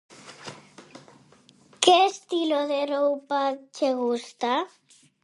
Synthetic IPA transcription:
kest̪iloðewɾowpat͡ʃeɣust̪a

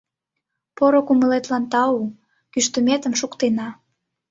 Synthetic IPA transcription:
poɾokuməlet̪lɑnt̪ɑu | kyʃt̪əmet̪ə̆mʃukt̪enɑ

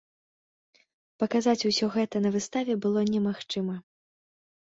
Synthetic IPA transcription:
pɐkazat͡sʲusʲɔɣɛt̪ɐnɐvɨst̪avʲɛbɨlˠɔnʲɛmaxt͡ʂɨmɐ

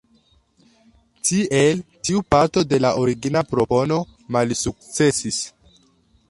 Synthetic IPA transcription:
tiʔe̞ltiupaɾto̞de̞laʔoɾiɡinapɾo̞po̞no̞ | malsuk̚t͡se̞sis

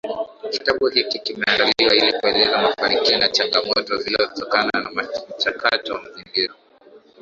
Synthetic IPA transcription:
kitaɓuhikikimɛandaliwailikuɛlɛzamafanikiɔnat͡ʃaŋɡamɔtɔvilivɔkutɔkananam̩t͡ʃakatɔwamazimbiɾɔ

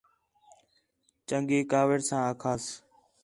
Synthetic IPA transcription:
t͡ʃəŋɡeːkaːʋəɾsãːəkʰaːs

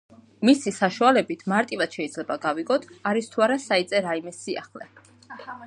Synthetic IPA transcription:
misisaʃualɛbit̪ʰmaɾt̪ʼivad̪̥ʃɛid̪zlɛbaɡaviɡɔt̪ʰaɾist̪ʰuaɾasait̪sʼɛɾaimɛsia̰χlɛ̰

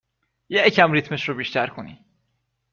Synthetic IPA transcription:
jecʰæmɾit̪ʰmeʃɾobiːʃt̪ʰæɾkʰonḭ

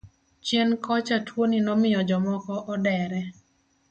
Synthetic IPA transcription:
t͡ʃjenkɔt͡ʃatʰwoninɔmɪjɔd͡ʒɔmɔkɔʔɔdɛɾɛ

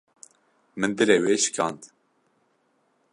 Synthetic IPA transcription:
mɨnd̪ɨleːweːʃɨ̥kʰɑ̰ːnt̪

